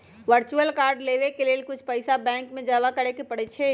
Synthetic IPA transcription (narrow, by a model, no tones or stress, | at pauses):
ʋəɾt͡ʃuəlkaːɾɖleʋekelelkʊt͡ʃʰpəɪsabɛ̃ŋkmẽd͡ʒaβakəɾekepəɽɛt͡ʃʰɛ